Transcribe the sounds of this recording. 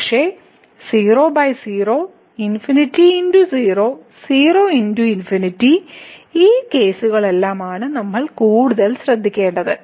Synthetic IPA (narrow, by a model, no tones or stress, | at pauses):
kʂe̞ː | siːro̞ːbɐjsiːro̞ː | infinitːiindusiːro̞ːsiːroːinduinfinitːiiːke̞ːsuɣɐɭe̞lːaːmaːɳɨnɐmːɐɭkuːɽuðɐlɕrɐd̪ʱːikʲːe̞ːɳɖɐðɨ